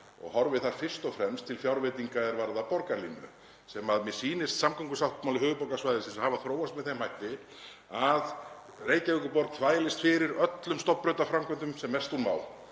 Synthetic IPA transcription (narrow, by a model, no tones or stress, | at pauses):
ɔ̰ɣhɔɾvɪðθaɾ̥fɪr̥st̪ɔfɾɛmst̪ʰːɪlfjawɾvet̪iŋkaɛɾvaɾðapɔɾkaɾlinːʏ̰ | sɛmaðmɛsiːnɪst̪samkʰɔŋkʏsawht̪mawlɪhʏːɣʏpowkasvajðɪsinshavaθɾoːwast̪mɛðθejmhajht̪ɪ | að | reːjcavɪkʏpɔɾt̪nθʰvaːjlɪst̪fɪɾɪɾœt̪lʏmst̪ɔprœːɥt̪afɾamkʰœnt̪ʏmsɛmːɛst̪hunma̰ːwl